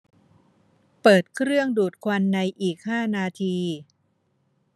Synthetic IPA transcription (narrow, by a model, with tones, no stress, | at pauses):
pɤː˨˩t̪̚kʰɾɯ˥˩əŋduː˨˩t̪̚kʰwa˧nːa˧jʔiː˨˩k̚haː˥˩naː˧t̪ʰiː˧